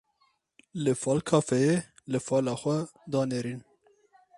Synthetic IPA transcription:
lɨfɑːlkʰɑːfɛje | lɨfɑːlɑːxʷɛd̪ɑːneɾiːn

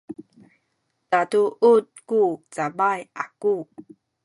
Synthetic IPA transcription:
tatuʔut̚kut͡sabaja̰ku

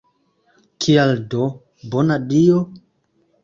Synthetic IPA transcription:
kʰialdo | bonadio

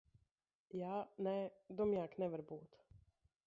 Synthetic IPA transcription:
jaːnɛd̪ɔmjaːknɛʋaɾbuːt̪

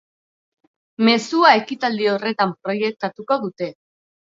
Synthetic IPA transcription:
me̞suae̞kit̪ald̪io̞re̞t̪ampɾo̞je̞k̚t̪at̪uko̞ðut̪e̞

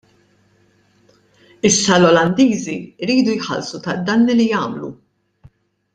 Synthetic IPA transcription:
ɪsːɐlɔlɐnd̪iːziɾiːd̪ujħɐ̰lsut̪ɐd̪ɐnːilijɐːmlṵ

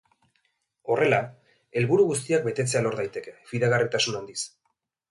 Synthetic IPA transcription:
o̞re̞la | e̞lβuɾuɣus̬t̪iak̚be̞t̪e̞t͡se̞alo̞ɾðajt̪e̞ke̞fiðaɣarit̪asunand̪is

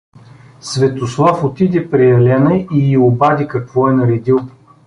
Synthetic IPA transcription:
svɛt̪oslˠɔfot̪id̪ɛpɾɛjɐlɛnɐʔiɡiobad̪ʲikɐkv̥ɔɛnɐɾɛd̪ilˠ

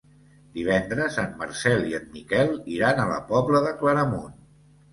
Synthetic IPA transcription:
d̪iβ̞ɛnd̪ɾəzanməɾsɛliənmikɛlˠiɾanələ̰pɔβləðəkləɾəmun

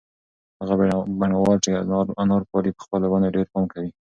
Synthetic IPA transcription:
haɣabbaɳawɑt͡ʃeanɑɾpɑɾipə̥xpəlawɑneɖeɾpɑmkawi

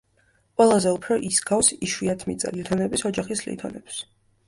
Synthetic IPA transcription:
qʼwɛlˠazɛupʰɾɔʔisɡafsiʃwiat̪ʰmḭt̪sʼa̰lit̪ʰɔnɛbisɔd͡ʒaχislḭt̪ʰɔnɛps

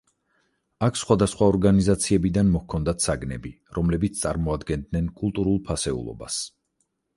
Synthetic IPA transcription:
akʰsχwad̪asχwaɔɾɡanizat̪sʰiɛbid̪anmɔhkʰɔnd̪at̪ʰsaɡnɛbi | ɾɔmlɛbit̪st̪ʼaɾmɔad̪ɡɛnd̪nɛnkʼulˠt̪ʼuɾulˠpʰasɛṵlˠɔ̰ba̰s

